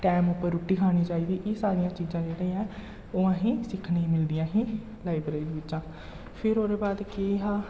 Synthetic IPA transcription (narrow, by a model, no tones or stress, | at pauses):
ʈɛːmʊpːəɾʊʈːiːkʰaːɽ̃iːt͡ʃaːiːd̪iːʔeːsaːɾɪjãːt͡ʃiːzãːd͡ʒeːɽəiːã | oːãːɦĩːsɪkʰneːmɪld̪ɪjãːɦĩː | laːɪbɾeid̪ːʋɪt͡ʃãː | pʰɪɾoːɾeːbaːd̪kiːɦãː